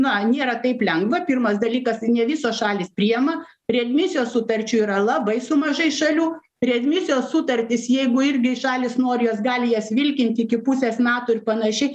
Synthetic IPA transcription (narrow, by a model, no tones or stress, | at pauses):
nɐnʲeːɾɐt̪ɐɪplʲɛŋɡʋɐpʲɪrmɐsd̪ɐlʲiːkɐsnʲɛʋʲɪsoːsʃɑːlʲiːspʲɾʲijɛmɐ | ɾʲɛɐd̪ʲmʲɪsʲɪjoːssʊt̪ɐɾʲt͡ʃʲuiːɾɐlˠɐbɐɪsʊmɐʒɐɪʃɐlʲuː | ɾʲɛɐd̪ʲmʲɪsʲɪjoːssʊt̪ɐrʲt̪ʲɪsjɛɪɡʊɪɾʲɡʲɪʃɑːlʲɪsnoːɾʲɪjoːsɡɑːlʲɪjɛsʲʋʲɪlʲkʲɪnʲt̪ʲɪɪkʲɪpʊsʲeːsmʲæːt̪oːɪrpɐnɐʃʲɛɪ